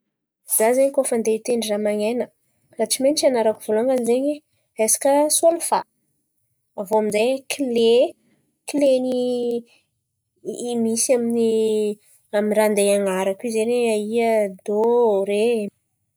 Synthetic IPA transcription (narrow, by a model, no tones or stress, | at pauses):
zazeɲkofand̪eit̪eɳɖ͡ʐiramaŋenə | raʈ͡ʂimenit͡ʃanaɾakuvolaŋɡanizeɲe | esḁkʲəsualufa | voaminzajkʰile | kileni | misamini | aminrand̪ejaŋaɾakizeneaiəd̪oɾe